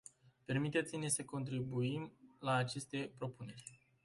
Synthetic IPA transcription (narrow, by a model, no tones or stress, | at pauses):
pe̞rmit̪et̪sine̞səko̞nt̪ɾibuimlaːt͡ʃe̞st̪e̞pɾo̞pune̞rʲ